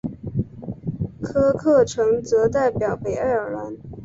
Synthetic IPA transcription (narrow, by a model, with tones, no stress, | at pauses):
kʰɤ˥kʰɤ˥˩ʈ͡ʂʰɤ˧˥ŋt͡sɤ˧˥t̪a˥˩ɪpjɑ˨˩ʊpe˨˩ɪa˥˩ɪə˞˨˩la˧˥n